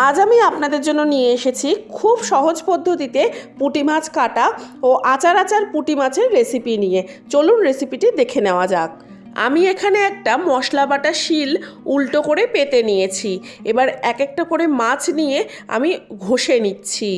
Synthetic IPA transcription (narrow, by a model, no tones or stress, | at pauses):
ad͡ʑamiapnad̪eɾd͡ʑonːonijeeʃet͡ɕʰikʰubʃɔɦod͡ʑpod̪ʱːot̪it̪epuʈimat͡ɕʰkaʈaoʔat͡ɕaɾat͡ɕaɾpuʈimat͡ɕʰeɾːesipinije | t͡ɕolunɾesipiʈid̪ekʰeneoad͡ʑak̚ | a̰miekʰaneɛk̚ʈamɔʃlabaʈaʃilulʈokoɾepet̪enijet͡ɕʰiebaɾɛkek̚ʈakoɾemãt͡ɕʰnije | a̰miɡʱoʃenitːɕʰi